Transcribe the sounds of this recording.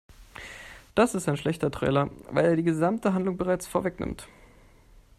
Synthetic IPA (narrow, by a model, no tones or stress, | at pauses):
d̥asɪstaɪnʃlɛçtɐtʁ̥ɛ̰ːlɐva̰ɪleːɐdiːɡəzamtəɦandlʊŋbəʁaɪt͡sfoːɐvɛknɪ̰mt